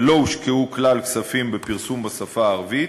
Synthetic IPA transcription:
lo̞ʃkeuklalksafimbepiʁsumbasafaːʁvit

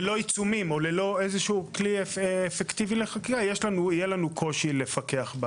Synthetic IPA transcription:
lo̞it͡sumimo̞lelo̞ezeʃuukliːfekt̪ivileχakiajeʃlanuijelanukʰo̞ʃile̞fake̞aχba

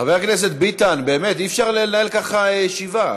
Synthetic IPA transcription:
χaveaknes̬e̞t̪̚bit̪anbe̞ːmet̪iːfʃaʁlenaelkaχajeʃiva

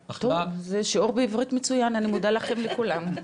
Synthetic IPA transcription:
t̪ovzeʃeuʁbeivʁit̪met͡sujananimudalaχe̞mlekulam

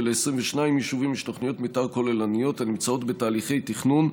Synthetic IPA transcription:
leesʁimveʃnaimjiʃuvimiʃtoχnijo̞t̪mitaʁko̞lelanijo̞tanimt͡sao̞t̪be̞taːliχe̞jt̪iχnun

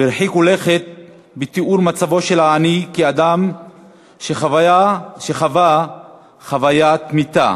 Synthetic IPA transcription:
biɾħikole̞χet̪̚ | bet̪iʔuɾmat͡savo̞ʃelaːnikiad̪am | ʃeavaʃeχava | χavajat̪mit̪a̰

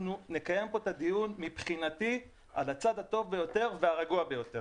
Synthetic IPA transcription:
nune̞kaje̞mpo̞t̪ad̪ijunmipχinat̪i | alat͡sad̪hat̪o̞vbe̞jo̞t̪e̞ʁveaʁaɡuabejo̞t̪e

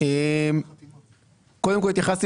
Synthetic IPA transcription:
em | kod̪emkolit̪jaχas

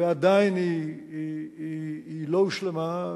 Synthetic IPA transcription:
ead̪ajini | iiiloʃlema

